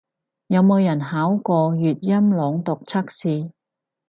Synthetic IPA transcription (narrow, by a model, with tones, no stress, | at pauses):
jɐ˨˧wmo˨˧wjɐ˨˩nɦaː˨˥wkɔː˧jyː˨t̚jɐ˥mlɔː˨˧ŋt̪ʊ˨k̚t͡sʰɐ˥k̚siː˧